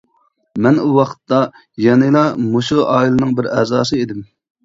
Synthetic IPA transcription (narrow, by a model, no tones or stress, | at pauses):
mɛnuwɑqʰə̥t̪ːɑ | jɑnɨlˠɑmoʃuʔɑːilˠɨnɨŋbɪɾɛzɑːsɨed̪ɪm